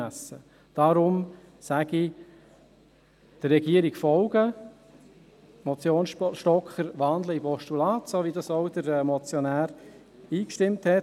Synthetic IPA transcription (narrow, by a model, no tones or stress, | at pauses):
æsːə | d̥ɑɾʊm | sæɡ̥i | d̥ərːɛɡiəɾikfɔlɡə | mɔt͡sjoːnʃtɔkχəɾʋɑnd̪ləipɔʃtulɑːt̪soːʋidɑsɔʊd̪əɾɛːmɔt͡sjɔnæːɾ | iːkʃtɪmthɛt